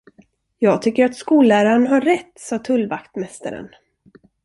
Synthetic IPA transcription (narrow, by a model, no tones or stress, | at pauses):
jɑːɡt̪ʰʏkːəɾat̪skuːlæːɾaɾənɦaːɛt̪ːsɑːt̪ʰɵlvakt̪mɛst̪a̰ɾə̰n